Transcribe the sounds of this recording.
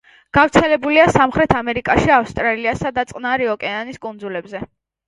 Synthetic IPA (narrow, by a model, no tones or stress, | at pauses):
ɡ̥avɾt̪sʰɛlɛbuliasamχɾɛt̪ʰamɛɾikʼaʃiafst̪ʼɾaliasad̪at̪sʼqʼnaɾiɔkʼɛaniskʼund̪zulɛbzɛ